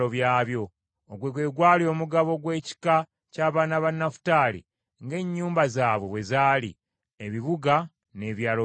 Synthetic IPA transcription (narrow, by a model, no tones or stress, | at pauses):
oβjaːβjo̞ː | ɡweɡwe̞ːɡwaːlio̞ːmuɡaβo̞ɡwe̞ːci̥ka | caːβaːnaβanːafu̥taːlḭ | ŋɡe̞ɲːuːmbazaːβwe̞βwe̞zaːlḭ | eβiβuɡa | ne̞ːβjaːlo